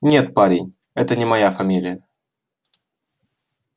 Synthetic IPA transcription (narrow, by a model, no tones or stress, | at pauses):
nʲe̞t̪̚paɾʲɪnʲ | ɛt̪ənʲɪmɐjafɐmʲilʲɪjə